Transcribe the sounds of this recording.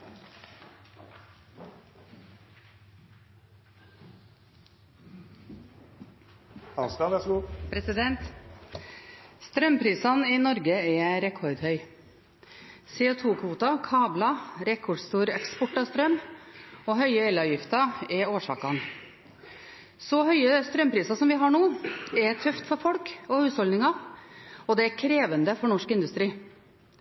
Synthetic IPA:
ɑnst̪ɑnɛspʰɾɛsɪd̪ɛnt̪ | st̪ɾœmpʰɾiːsɑniːnɔɾɡəɛːɾɛkʰɔɾd̪hœʏ | seːʊːt̪ʰuːkʰʋuːt̪ɑkʰɑːblɑɾɛkʰɔɖst̪uːɾɛkspɔʈːɑst̪ɾœm | ɔɦœʏəɛlɑʋjɪft̪ɑɛɾoːʂɑ̰ːkɑn | sɔhœʏəst̪ɾœmpʰɾiːsɑsɔmʋɪɦɑɳuːɛt̪ʰœft̪fɔɾfɔlkɔhʉːshɔlnɪŋɑ | ɔd̪ɛɛɾkʰɾeːʋənd̪əfɔɳɔʂkɪnd̪ʉst̪ɾiː

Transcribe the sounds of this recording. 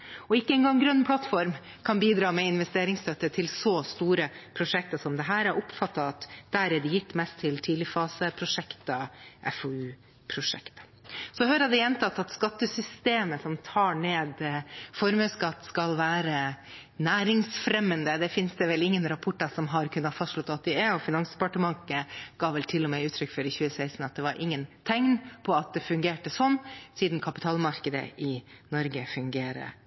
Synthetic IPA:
ɔɪkːəɛŋɡɑŋːɡɾœnːpʰlɑt̪fɔɾm | kʰɑnbiːd̪ɾɑːmɛɪnʋɛst̪eːɾɪŋst̪ʰœt̪ːət̪ʰɪlsɔst̪uːɾəpʰɾʊʂɛk̚t̪ɑsɔmd̪ɛɦæːɾæɾʔʊpfɑt̪ːɑɑt̪d̪æːɾɛɖɛjɪt̪ːmɛst̪ʰːɪlt̪ʰiːd̪lɪfɑːsəpʰɾʊʂɛkt̪ɑʔɛ̰foʉː | pʰɾʊʂɛ̰kt̪ɑ̥ | sɔhøːɾɑd̪ɛɛnt̪ʰɑt̪ːɑt̪skɑt̪ːəsʏst̪eːməsɔmt̪ʰɑːɳeːd̪fɔɾmœskɑt̪ːskɑlʋæːɾə | næːɾɪŋsfɾɛmːənd̪əd̪ɛfɪnsd̪ɛʋɛlɪŋːənɾɑpʰʊʈːəsɔmɦɑɾkʰʉnːət̪fɑst̪ʂɭɔt̪ːɑt̪̚d̪ɪɛɔfɪnɑŋsd̪ɛpɑʈəmɑŋəɡ̥ɑːʋɛlt̪ʰɪlːɔmɛʉːt̪ʰɾʏkːfɔɾɪçʉːəsæɪsn̩ɑt̪̚d̪ɛʋɑɾʔɪŋːənt̪ʰɛŋnpʰɔɑt̪̚d̪ɛfʉŋɡeːʈəsɔnːsiːd̪n̩kʰɑpɪt̪ʰɑːlmɑɾkəd̪ə̰ʔɪnɔɾɡəfʉŋɡeːɾə̰

